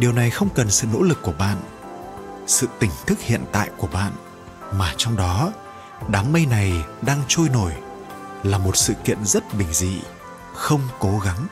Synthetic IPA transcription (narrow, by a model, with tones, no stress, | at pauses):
ɗi˨˩əwna˨˩jxə˧wŋ͡mkə˨˩nsɨ̰˧˨no̰˧˥lɨ˨˩kːu˧˩əɓa̰ː˧˨n | sɨ̰˧˨t̪ï˨˩ŋ̟t̪ʰɨ˦˥k̚hḭ˧˨ənt̪a̰ː˧˨jku˧˩əɓa̰ː˧˨n | maː˨˩t͡ɕɔ˧wŋ͡mɗɔ˨˦ | ɗaː˨˦ŋmə˧jna˨˩jɗaː˧ŋt͡ɕo˧jno˧˩j | laː˨˩mo˨˩t̚sɨ̰˧˨kḭ˧˨ənzə˦˥t̚ɓï˨˩ŋ̟zḭ˧˨ | xə˧wŋ͡mko˨˦ɣa˨˦ŋ